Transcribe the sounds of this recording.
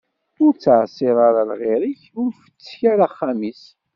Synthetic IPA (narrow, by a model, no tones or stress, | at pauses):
ʊɾt͡sːʕsˤiʁˤaɾalʁeɾiçʊɾfə̥t͡sːçaɾaχːamis